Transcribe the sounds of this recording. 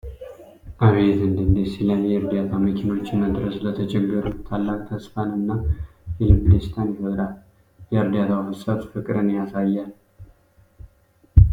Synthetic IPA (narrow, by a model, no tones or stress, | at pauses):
ʔaβezɨnd̪ɨnd̪esilanjɛɨɾd̪jat̪ʰamikʰino̞t͡ʃːməd̪ɾəslət̪ʰət͡ʃʼɛɡɨɾut̪ʰalːakʼt̪ʰəspanɨnːailɨmlest̪ʰanihoɾal | jɛɨɾd̪at̪ʰawfɨsʼat̪fɨkʼɨɾɨnjasajːal